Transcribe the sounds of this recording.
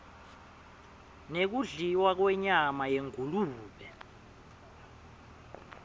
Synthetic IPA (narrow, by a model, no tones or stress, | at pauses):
nek̬uɮiwak̬wɛɲamajeŋuluːɓɛ